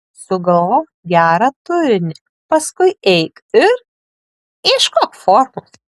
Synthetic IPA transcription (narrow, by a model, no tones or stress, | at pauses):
sʊɡɐlˠoː | ɡʲæːɾɐt̪ʊɾʲɪnʲɪ | pɐskʊɪɛɪkɪɾ | ɪʃkoːkfoːɾmoː